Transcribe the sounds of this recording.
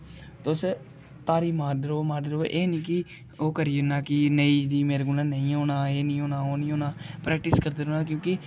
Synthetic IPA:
t̪ʊs | t̪aːɾiːmaːɖəɾoːmaːɖəɾoːʔeːniːkɪ | oːkəɾiːnaːkɪnəiːd̪iːmeːɾeɡʊlãːnəĩːoːnaːeːnĩːɦoːnaːoːnĩːɦoːnaːpɾɛːk̚ʈɪskəɾd̪eːɾoːnaːkjõːkɪ

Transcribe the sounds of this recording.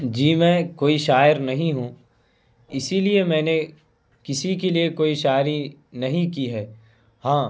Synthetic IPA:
d͡ʒiːmɛ̃ːkoːiʃaːjəɾnɐɦĩɦũ | ɪsiliemɛ̃ːne | kɪsik̬eliekoːiʃaːɾinɐɦĩkiɦɛː | hãː

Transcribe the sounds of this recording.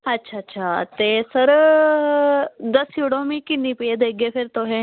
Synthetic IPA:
ɐtːɕʰaːtːɕʰat̪esəɾ | d̪əsiɽõmikinːipijed̪əɡefʰeɾt̪oɦe

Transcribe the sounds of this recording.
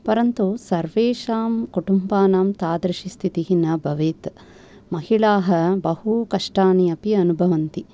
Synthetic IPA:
pɐɾɐnt̪usɐɾʋeːʃaːmkuʈumbaːnaːmt̪aːd̪ɾɐʃist̪ʰit̪iɦinɐbʱɐʋeːt̪ | mɐhiɭaːɦɐbɐhukɐʂʈaːniɐpiɐnubʱɐʋɐnt̪i

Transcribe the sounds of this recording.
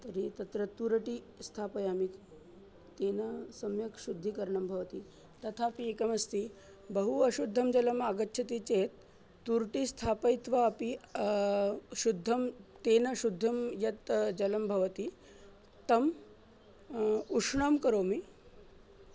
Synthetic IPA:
t̪ɐɾit̪ɐt̪ɾɐt̪uɾʈi | st̪ʰapɐjami | t̪eːnɐsɐmjɐkʃud̪ʱːikɐɾɳɐmbʱɐʋɐt̪iː | t̪ɐt̪ʰapiekɐmɐst̪iː | bɐɦuɐʃud̪ʱːɐmd͡ʑɐlɐmaɡət̪ːɕʰɐt̪it͡set̪ː | uɾʈiːst̪ʰapɐjt̪ʋaːpi | ʃud̪ʱːɐmt̪eːnɐɕud̪ʱːɐmjɐt̪d͡ʑɐlɐmbʱɐʋɐt̪i | t̪ɐm | uʂɳɐmkɐɾoːmi

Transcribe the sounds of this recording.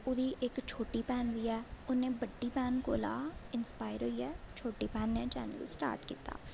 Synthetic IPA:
ʊd̪iːʔɪkt͡ʃʰoːʈiːpɛːnʋiːɛːʊnẽːbəɖːiːpɛːnko̰ːlaːɪnspaːɪɾɦoiːɛːt͡ʃʰoːʈiːpɛːnːɛ̃ːt͡ʃɛ̰ːnə̰lsʈa̰ːɾʈkiːt̪a̰ː

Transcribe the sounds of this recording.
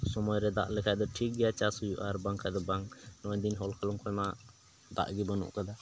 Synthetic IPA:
sɔmɔjɾɛd̪a̰ʔlɛkʰad̪ɔʈʰik̚ɡɛjat͡ʃasujuʔaɾbaŋkʰad̪ɔbaŋnɔd̪inɦɔlkʰalɔŋkɔjma | d̪a̰ʔɡibɔnṵʔkad̪a

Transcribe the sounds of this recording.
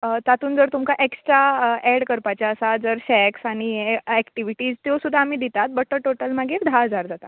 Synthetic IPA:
t̪at̪uːnd͡zəɾt̪umkaʔeksʈɾaɛɽkəɾpat͡ɕjaəsad͡zəɾɕɛksaɽ̃iɛkʈiʋiʈiːd͡zt̪josud̪ʱːaːm̤iːd̪it̪at̪̚bəʈːəʈoʈəlmaɡiːɾd̪ʱaəd͡zaɾd͡zat̪a

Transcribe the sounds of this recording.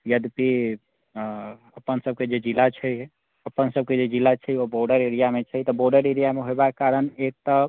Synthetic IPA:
jəd̪pi | əpənsəb̚ked͡ʒed͡ʒilat͡ʃʰəj | əpənsəb̚ked͡ʒed͡ʒilat͡ʃʰəjoboɾɖəɾeɾijamet͡ʃʰəjt̪ɔboɾɖəɾeɾijameɦoebakkːaɾənek̚t̪ɔ

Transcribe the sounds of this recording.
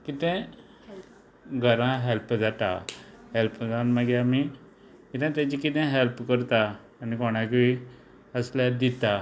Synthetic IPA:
kit̪ɛ̃ | ɡʱəɾãɦelpd͡zat̪a̰ | helpd͡zanməɡeami | kit̪ɛ̃t̪jãt͡ɕikit̪ɛ̃ɦelpkəɾt̪aː | nikɔɽ̃ãk̬i | əsljad̪it̪a

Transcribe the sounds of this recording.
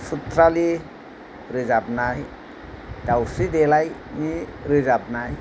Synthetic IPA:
sut̪ɾali | ɾɯzab̚naj | dawsidelajniɾɯzab̚naj

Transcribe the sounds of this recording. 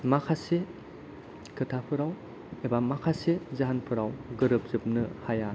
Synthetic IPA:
makʰase | kʰɯtʰapʰɯɾaw | ebamakʰasezaɦanpʰɯɾawɡɯɾɯp̚zɯp̚nɯhaja

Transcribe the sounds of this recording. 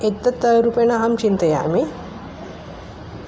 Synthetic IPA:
et̪ːɐt̪ːəɾupjɐnɐɦɐmt͡ʃint̪ɐja̰ːmi

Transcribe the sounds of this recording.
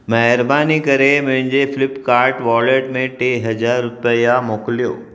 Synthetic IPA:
mɐɦɪɾbaːnikɐɾemʊ̃ɦɪ̃ɲd͡ʑefɪlɪpkaːɾʈʋɔːleːʈmẽʈeːɦɐd͡ʑaːɾːʊpəjamoːklijo̰ː

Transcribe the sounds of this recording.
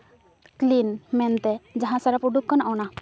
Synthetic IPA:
klinmɛnt̪ɛd͡ʒaɦãsaɾapɾuɖukkanaʔwna

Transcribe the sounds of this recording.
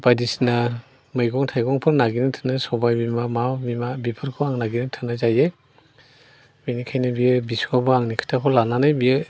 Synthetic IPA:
bajdisna | mɯjɡɔŋtʰajɡɔŋpʰɯɾnaɡinɯŋtʰɯnɯsɔbajbimamawbimabipʰɯɾkʰɔaŋnaɡinɯŋtʰɯnazaje | mijnikʰajnɯbijɯbisuabɔaŋnikʰɯ̥tʰakʰɔlananɯjbijɯ

